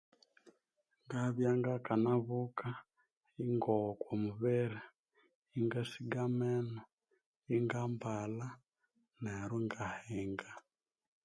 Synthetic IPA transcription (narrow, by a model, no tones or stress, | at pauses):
ŋɡaβjaŋɡakanaβuka | iŋɡɔkwɔmuβɛɾa | iŋɡasiɡamɛnɔ | iŋɡambala | nɛɾuŋɡahɛŋɡa